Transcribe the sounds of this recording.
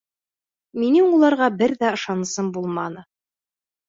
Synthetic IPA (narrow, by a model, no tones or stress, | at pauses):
minɘŋulˠɑɾʁɑbɘɾðæɤ̆ʃɑnɤ̆sɤmbulˠmɑnɤ